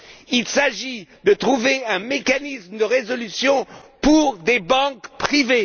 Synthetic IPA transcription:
ilsaʒid̪ət̪χuveɛ̃mekanismd̪əʁezɔlysjɔ̃puʁd̪ebɑ̃kpχive

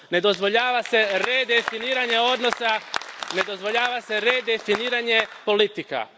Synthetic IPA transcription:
ne̞d̪ozʋo̞ʎaːʋase̞ɾed̪efiniːɾaɲe̞o̞d̪no̞sane̞d̪o̞zʋo̞ʎaːʋase̞ɾe̞d̪efiniːɾaɲe̞po̞lit̪ika̰

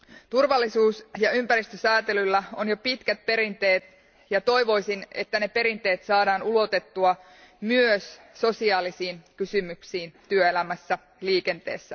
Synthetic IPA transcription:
t̪urʋɑlːisuːsjɑympæɾist̪øsæːt̪elylːæo̞njo̞pit̪kæt̪̚pe̞ɾint̪e̞ːt̪ | jɑt̪o̞jʋo̞jsine̞̰t̪ːæne̞pe̞ɾint̪e̞ːt̪sɑːdɑːnulo̞t̪et̪ːuɑ | myøsː | o̞siɑːlisiːnkysymyksiːnt̪yøelæmæsːæ | liːke̞nt̪e̞̰ːsːæ

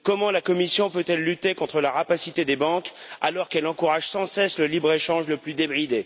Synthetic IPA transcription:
kɔmɑ̃lakɔmisjɔ̃pøt̪ɛlːyt̪ekɔ̃t̪χəlaʁapasit̪ed̪ebɑ̃ka̰lɔʁkɛlɑ̃kuʁaʒsɑ̃sɛsləlibʁeʃɑ̃ʒləplyd̪ebʁid̪e

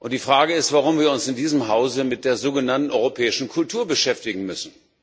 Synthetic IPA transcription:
ʔʊnt̚d̥iːfʁ̥aːɡəɪstv̥aʁʊmviːɐʊnsɪndiːzəmɦaʊzəmɪt̚d̥eːɐzoːɡənantn̩ʔɔʏʁopʰɛːɪʃn̩kʰʊltʰuːɐbəʃɛftɪɡŋ̩mʏsn̩

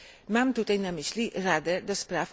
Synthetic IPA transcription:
mamt̪ut̪ajnamislirad̪ɛd̪ɔspɾaf

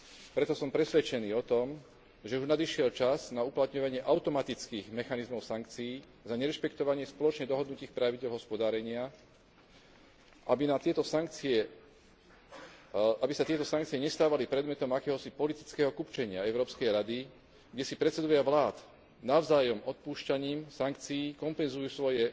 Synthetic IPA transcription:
pɾɛt̪ɔsɔmpɾɛsʋɛt͡ʃɛniːɔt̪ɔm | ʒɛuʒnad̪iʃɪɛlt͡ʃaznauplat̪ɲɔʋaɲɪɛʔaʊt̪ɔmat̪it͡skiːɣmɛxanizmɔʊsaŋkt͡siː | zaɲɛɾɛʃpɛkt̪ɔʋaɲɪɛspɔlɔt͡ʃɲɛd̪ɔɦɔd̪nuciːxpɾaʋiɟɛlɦɔspɔd̪aːɾɛɲɪa | ʔabinat̪ɪɛt̪ɔsaŋk̚t͡siɛ | abisat̪ɪɛt̪ɔsaŋkt͡sijɛɲɛst̪aːʋalipɾɛd̪mɛt̪ɔmakɛːɦɔsipɔlit̪i̥t͡skɛːɦɔkupt͡ʃɛɲɪaɛʊɾɔːpskɛjɾad̪i | ɡɟɛsipɾɛt̪t͡sɛd̪ɔʋɪaʋlaːt̪ | naʊzaːjɔmɔt̪̚puːʃcaɲiːmsaŋk̚t͡sijiːkɔmpɛnzujusʋɔjɛ

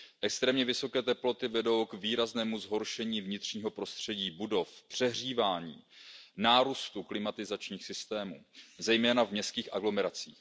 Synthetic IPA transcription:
ʔɛkst̪ɾɛːmɲɛvɪso̞kɛːt̪ɛplo̞t̪ɪvɛdo̞wkviːɾaznɛːmuzɦo̞ɾʃɛɲiːvɲɪt̪r̝̥ɲiːɦo̞pɾo̞st̪r̝̥ɛɟiːbudo̞fpr̥ɛɦriːvaːɲḭːnaːɾust̪uklɪmat̪ɪzat͡ʃɲiːxsɪst̪ɛːmṵːzɛjmɛːnavmɲɛst̪kiːxʔaɡlo̞mɛɾat͡sḭːx

